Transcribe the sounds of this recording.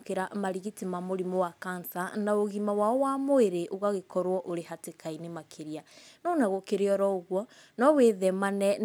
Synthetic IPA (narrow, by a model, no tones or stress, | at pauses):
keɾamaɾiɣitimamoɾimowakansanaoɣimawaɔwamoeɾeʔoɣaɣekɔɾwɔʔoɾehatekainemakʰeɾianɔnaɣokeɾeɔɾɔoɣwɔ | nɔweðɛmanɛ